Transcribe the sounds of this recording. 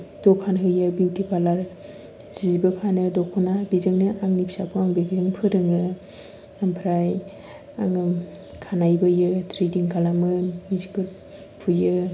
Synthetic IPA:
d̥ɔkʰanɦɯjɯbiwtʰipʰalaɾ | z̥izibɯkʰanɯdɔkʰunabizɯŋnɯʔaŋnipʰi̥sapʰɔaŋbeɡiɾɯŋpʰɯɾɯŋɯ | ampʰɾaj | aŋɯ | kʰanajbɯjɯtʰɾidiŋkʰalamɯmizibɯɾ | pʰujɯ

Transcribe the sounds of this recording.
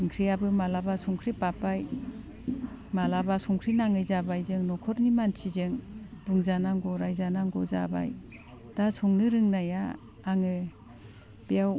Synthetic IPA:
ɯŋkʰɾijabɯmalabasuŋkʰɾipapaj | malabasɔŋkʰɾinaŋɯjzabajzɯŋnɔkʰɔɾnimansʰizɯŋbɯŋzanaŋɡɔɾajzanaŋɡɔza̰ba̰j | d̥asuŋnɯɾɯŋnajaː | ŋɯ | b̥ijaw

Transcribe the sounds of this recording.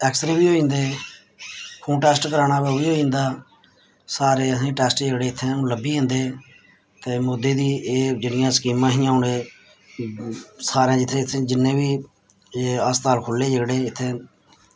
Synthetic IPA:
ɛːksɾeːbiːɦoːĩːnd̪eː | pʰũːʈɛːsʈkəɾaːɽaːbəːʋiːɦoːĩːnd̪aː | saːɾeːəsĩːʈɛːsʈd͡ʒəɡɽeːt̪ʰːẽːũːləbiːẽːnd̪eː | t̪eːmoːd̪ːeːd̪iːeːd͡ʒɪɽɪjãːskiːmãːɦĩːãːʊɳeː | saːɾãːd͡ʒɪt̪ʰːẽːt̪ʰːẽːd͡ʒɪnːẽːbiː | eːəst̪aːlkʰʊlːeːd͡ʒəɡɽeːɪt̪ʰːẽː

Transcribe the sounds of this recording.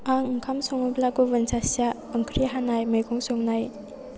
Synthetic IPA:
aŋŋkʰamsɔŋɯblaɡobənsasa | əŋkʰɾiɦanajməjɡɔŋsɔŋnaj

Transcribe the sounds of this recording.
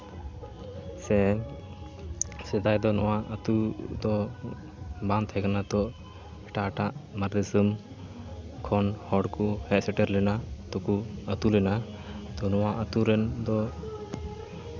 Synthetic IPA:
sɛ | sɛd̪ajd̪ɔnɔwaət̪ud̪ɔ | bãnd̪ʰhɛkanat̪ɔʔ | ɛʈaːʈaʔmaɾd̪ɛsum | kʰɔnhɔɽkuhɛʔsɛʈɛɾlɛnat̪ɔkuət̪ulɛna | t̪ɔnɔwaʔət̪uɾɛnd̪ɔ

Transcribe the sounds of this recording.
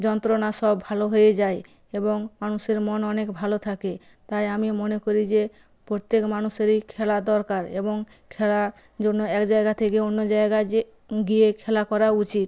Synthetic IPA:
d͡ʒɔnt̪ɾonasɔbʱaloɦojed͡ʒaj | eboŋmanuseɾmɔnɔnekbʱalot̪ʰake | t̪ajamimɔnekɔɾid͡ʒe | pɾot̪ekmanuseɾikʰelad̪ɔɾkaɾḛboŋ | kʰela | d͡ʒonːoɛkd͡ʒajɡat̪ʰekeonːod͡ʒaeɡae | ɡiekʰɛlakɔɾaut͡ʃit̪̚

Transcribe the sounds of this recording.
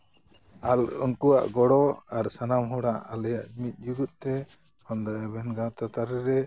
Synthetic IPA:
alṵnkuwa̰ʔɡɔɽɔaɾsanamɦɔɽaʔalɛjaʔmit̪̚ˀd͡ʒuɡut̪̚t̪ɛ | hɔnd̪aɛbɛnɡãt̪at̪aɾɛɾɛ

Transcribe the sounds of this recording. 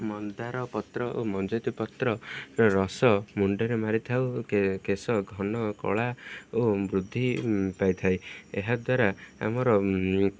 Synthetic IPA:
mɔnd̪aɾɔpɔt̪ɾɔʔomɔnd͡ʒɔt̪ipɔt̪ɾɔɾɔsɔmuɳɖɔɾemaɾit̪ʰawkesɔɡʱɔnɔkɔ̰ɭaobɾud̪ʱːipajt̪ʰajeɦad̪waɾaa̰mɔɾɔ

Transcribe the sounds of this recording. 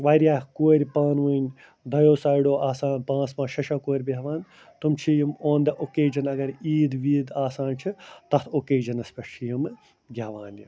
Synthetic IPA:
ʋaːɾʲjaːkuːɾʲpaːnʋunʲ | d̪ʱɐjoːsaːjɽoːaːsaːnpãːsmãːʃɐʃakoːɾʲbɐɦʋaːn | t̪umt͡ʃʰijimoːnd̪ɐʔokeːd͡ʒɐnɐɡɐɾiːd̪ʋiːd̪aːsaːnt͡ʃʰit̪ɐt̪ʰokeːd͡ʒɐnɐspɐt͡ʃʰijim | ɡʲɐʋaːni

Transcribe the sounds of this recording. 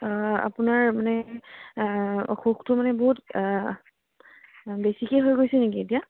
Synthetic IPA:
a̰pʊnaɹmanɛ | ɔ̰xuxtʊmanɛboɦut | besikeɦojɡojsɛnekietija

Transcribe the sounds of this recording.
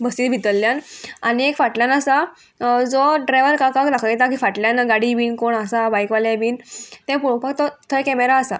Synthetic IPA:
bəsiːt̪bʱit̪əlːjãnaniekfaʈljanasa | d͡zɔɖɾajʋəɾkãkãklakʰəjɛt̪akiːfaʈljanɡaɽiʋiːnkoɳasabajkʋaljabiːnt̪ɛ̃puɽõpak̚t̪ɔt̪ʰəjkɛmeɾaːsa

